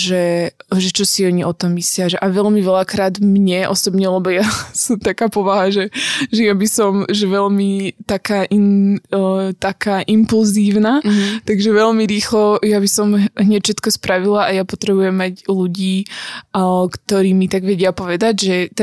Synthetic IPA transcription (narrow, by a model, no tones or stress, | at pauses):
ʒɛʒɛt͡ʃɔsiɔɲiʔɔt̪ɔmːislɪaʒɛʔaʋɛʎmiʋɛlakɾaːd̪mɲɛʔɔ̰sɔbɲɛlɛbɔjasɔmt̪akaːpɔʋaɦaʒɛʒɛjabisɔmʒɛʋɛʎmit̪akaːʔin | t̪akaːʔimpulziːʊnat̪aɡʒɛʋɛʎmiɾiːxlɔjabisɔmɦɲɛcfʃɛt̪kɔspɾaʋilaʔajapɔt̪ɾɛbujɛmːaɟluɟiː | kt̪ɔɾiːmit̪aɡʋɛɟɪapɔʋɛd̪aɟʒɛt̪